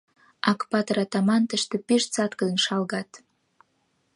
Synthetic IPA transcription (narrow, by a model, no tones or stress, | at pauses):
ɑkpɑt̪ɾɑt̪ɑmɑnt̪ə̆ʃt̪ĕpiʃt͡sɑt̪kə̆d̪ə̆nʃɑlɣɑt̪